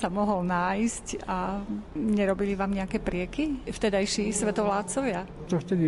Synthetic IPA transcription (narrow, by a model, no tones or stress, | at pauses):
samɔɦɔlnaːjsca | ɲɛɾɔbiliʋaːmɲɛakɛːpɾɪɛkift̪ɛd̪ajʃisʋɛt̪ɔʋlaːt̪̚t͡sɔʋɪa | t͡ʃ̪ɔft̪ɛd̪i